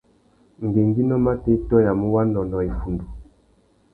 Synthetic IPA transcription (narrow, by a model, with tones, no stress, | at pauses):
ŋ˨ɡe˨ŋɡi˦nɔ˦ma˦te˦tɔ˦ja˨mu˦wa˦nɔ˨nɔ˨e˨fu˨ndu˨